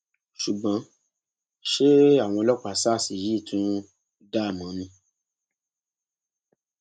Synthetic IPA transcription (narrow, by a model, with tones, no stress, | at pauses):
ʃu˨ɡ͡bã˨˧˦ | ʃe˦a˦˨w̃ɔ̃˧lɔ˦k͡pa˨saː˦˨si˨ɾi˦˨tʰũ˦ | da˦˨mã˨˦nĩ˧˦